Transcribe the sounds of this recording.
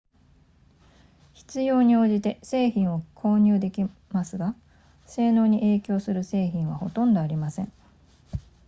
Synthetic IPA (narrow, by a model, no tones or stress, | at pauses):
çi̥t͡sɨjo̞ːɲ̟io̞ːʑit̪e̞se̞ːçĩɰ̃o̞kʰo̞ːɲ̟ʲɨːd̪e̞kʲimasɨɡa | se̞ːno̞ːɲ̟iʔe̞ːkʲo̞ːsɨɾɯ̟se̞ːçĩɰ̃β̞aho̞t̪õ̞nd̪o̞aɾʲimasẽ̞̰ɴ